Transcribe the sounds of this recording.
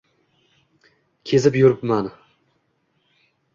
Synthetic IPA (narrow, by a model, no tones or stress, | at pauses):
kʲʰe̞zɪpjuɾɪpman